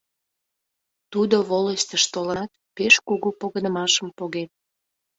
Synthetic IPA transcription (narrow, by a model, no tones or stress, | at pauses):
t̪ud̪oβoləst̪əʃt̪olət̪̚ | peʃkuɣupoɣənəmɑʃəmpoɣet̪̚